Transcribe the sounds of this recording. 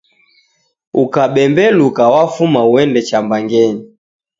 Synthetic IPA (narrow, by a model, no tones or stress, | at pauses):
ukaɓɛmbɛlukawafumauɛndɛt͡ʃambaŋɡɛɲi